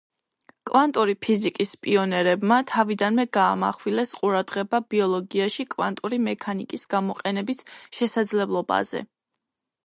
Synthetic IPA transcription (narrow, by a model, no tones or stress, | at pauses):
kʼvant̪ʼuɾipʰizikʼispʼiɔnɛɾɛbmat̪ʰavid̪anmɛɡaːma̰χwilɛsqʼuɾad̪ʁɛbabiɔlˠɔɡiaʃikʼva̰nt̪ʼuɾimɛkʰanikʼisɡ̥amɔqʼɛnɛbisʃɛsad̪zlɛblˠɔba̰z̥ɛ̰